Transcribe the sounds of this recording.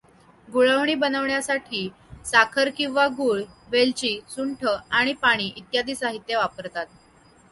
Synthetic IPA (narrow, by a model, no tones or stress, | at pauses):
ɡuɭəʋɳiːbənəʋɳjasaʈʰiː | sakʰəɾkĩw̃ʋaɡuːɭʋelt͡ɕiːsuɳʈʰəaɽ̃ipaɽ̃iːʔit̪jad̪iːsaɦit̪jəʋap̚kəɾt̪at̪